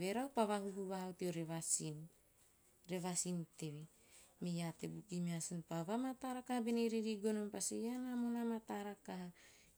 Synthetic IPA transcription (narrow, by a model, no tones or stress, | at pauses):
βe̞ɾawpaβaɦuɦuβaɦawteoɾeβasin | ɾe̞βasinte̞βe | mejate̞bukimiasinpaβamataɾakahabeneɾiɾiɡonompasejanamonamataɾakaɦa